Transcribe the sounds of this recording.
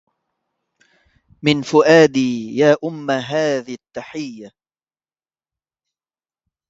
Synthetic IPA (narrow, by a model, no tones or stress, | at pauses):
mɪnfʊʔaːd̪iːjaːʔʊmːaɦaːðiat̪ːaħɪjːa